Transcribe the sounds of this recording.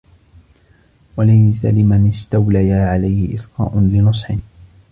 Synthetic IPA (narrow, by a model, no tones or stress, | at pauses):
walajsa̰lɪmanɪst̪awlajaʕalajhɪʔɪθqɑ̰ːʔʊnlɪnɨsˤħɪn